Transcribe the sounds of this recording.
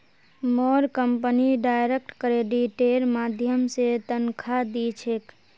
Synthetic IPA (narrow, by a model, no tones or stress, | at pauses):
mɔːɾkəmpniɖaːjɾek̚ʈkɾeɖiʈeɾmaːd̪ʱjəmset̪ənkʰad̪it͡ʃʰek